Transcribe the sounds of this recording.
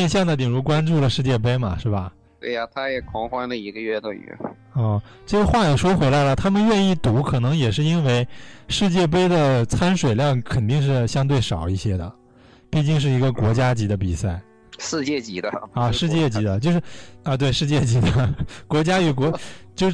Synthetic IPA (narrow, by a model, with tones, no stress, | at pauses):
ɛ˥˧nɕjɑ˥˩ŋd̪ə˩t̪i˨˩ŋɻu˧˥kwa˥nʈ͡ʂu˥˩lə˩ʂɻ̩˥˧t͡ɕjɛ˥˩p̬e˥ɪmɐ˨ʂɻ̩˥˩bɐ˩ | t̪wḛ˥˩ɪa˩t̪ʰa˥jɛ˨˩kʰɑ˧˥ŋxwa˥nlə˨i˧˥ɡə˧ɥɛ˥˧t̪ʊ˥˩y̰˧˥ | ɔ˥˧˩ | ʈ͡ʂɤ˥˩ɡə˩xwa˥˩jɛ˨˩ʂwɔ˥xwe˧˥ɪla˧˥ɪlə˨t̪ʰa˥mə˨nɥɛ˥˧ni˥˩t̪u˧˥kʰɤ˨˩nɤ˧˥ŋjɛ˨˩ʂɻ̩˥˩i˥nwe˥˧ɪʂɻ̩˥˧t͡ɕjɛ˥˩p̬e˥ɪd̪ə˨t͡sʰa˥nʂwe˨˩ɪljɑ˥˩ŋkʰə˨˩nt̪i˥˧ŋʂ̬ɻ̩˥˩ɕjɑ˥ŋt̪we˥˩ɪʂɑ˨˩ʊi˥˩ɕjɛ˥d̪ə̰˨ | pi˥˩t͡ɕi˥˧ŋʂ̬ɻ̩˥˩i˧˥ɡə˧kwɔ˧˥t͡ɕja˥t͡ɕi˧˥d̪ə˧pi˨˩sa˥˩ɪ | ʂɻ̩˥˧t͡ɕjɛ˥˩t͡ɕi˧˥d̪ə˧ɐ˥˧ʂɻ̩˥˧t͡ɕjɛ˥˧˩t͡ɕi˧˥d̪ə˧t͡ɕjo˥˧ʊʂɻ̩˥˩ɐ˧t̪̬we˥˩ɪʂɻ̩˥˧t͡ɕjɛ˥˩t͡ɕi˧˥d̪ə˧kwɔ˧˥t͡ɕja˥y˨˩kwɔ˧˥t͡ɕjo˥˧ʊ